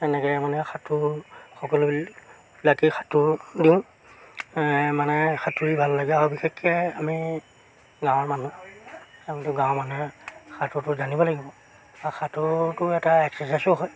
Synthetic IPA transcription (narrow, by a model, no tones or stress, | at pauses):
tɛnɛkɛmanɛxʰatʰʊxɔkɔl | lakixʰatʰʊdiʊ̃ | manɛxʰatʰuɹibʱalːaɡɛaɔbixekʰːɛami | ɡãw̃ɔɹmanu | amitʊɡãw̃manɛxʰatʰʊtʊzanibɔlaɡibɔ | axʰatʰʊtʊɛtaɛksɛsasɔɦɔj